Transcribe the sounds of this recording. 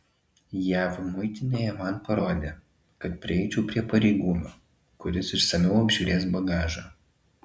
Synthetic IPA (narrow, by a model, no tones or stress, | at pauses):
jæːʋmʊɪt̪ʲɪnʲeːjɛmɐnpɐɾoːd̪ʲeː | kɐt̪pʲɾʲɪɛɪt͡ʃʲɛpʲɾʲiɛpɐɾʲɛɪɡuːmʲoː | kʊɾʲɪsɪʃsɐmʲɛʊɐbʲʒʲuːɾʲeːs̬bɐɡɑːʒɐ